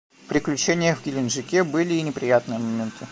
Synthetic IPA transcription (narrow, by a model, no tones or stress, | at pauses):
pɾʲɪklʲʉt͡ɕenʲɪjəvɡʲɪlʲɪnʐɨkʲebɨlʲɪːnʲɪpɾʲɪjat̪nɨjəmɐmʲent̪ʰɨ